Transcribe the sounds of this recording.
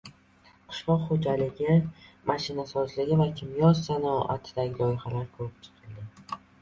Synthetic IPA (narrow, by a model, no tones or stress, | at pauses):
qʰɨ̥ʃlɒqχod͡ʒalɪɡʲɪmaʃɪnasɒzlɪɡʲɪvakʲʰɪmjɒsanɒʔa̰t̪ʰɪd̪aɡʲɪlɒjɪχalaɾkʰɵɾɪp̚t͡ʃʰɨ̥qʰɨlˠd̪ɪ